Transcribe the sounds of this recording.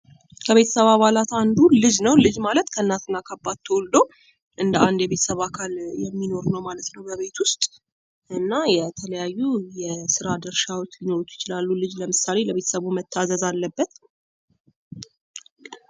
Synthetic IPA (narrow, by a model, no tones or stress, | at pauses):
kʰəβe̞t̪ʰə̥səβaβalat̪and̪ulɨd͡ʒnəwlɨd͡ʒmalət̪kʰəɨnːat̪ɨnːakʰabːat̪ʰːəwold̪ow | ʔɨnd̪əand̪jɛβe̞t̪ʰə̥səβakʰaljɛmːino̞ɾnəwmalət̪nəwbəβe̞t̪ʰwʊst̪ʼ | ʔɨnːajɛt̪ʰələjajːujɛsɨɾad̪əɾʃawot͡ʃːlinoɾot͡ʃ̪ːjɪ̥t͡ʃɪlalːulɨd͡ʒləmɨsale̞ləβe̞t̪əsəβumət̪ʰːazəzalːəbːət̪